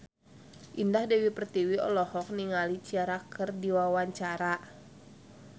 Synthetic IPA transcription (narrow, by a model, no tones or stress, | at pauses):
ʔindahdɛwipərt̪iwiɔ̰lɔhɔk̚niŋalit͡ʃiaɾakʰərdiwawaɲt͡ʃaɾa